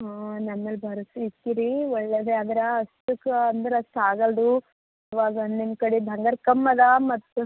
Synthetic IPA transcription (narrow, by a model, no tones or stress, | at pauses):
ɦanɐmːɐlbʱɐɾɐsuit̪ːiɾiɔɭːeːd̪eɐd̪ɐɾɐɐst̪ukɐɐnd̪ɐɾɐst̪aːɡɐld̪u | ɐʋaːɡɐond̪end̪kɐɽibʱɐŋɡɐɾkɐmːɐd̪amɐt̪ːu